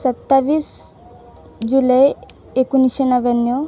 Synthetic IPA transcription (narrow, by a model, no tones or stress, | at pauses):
sət̪ːaʋiːs | d͡ʒuləj | ekunisɕenəʋənjɔ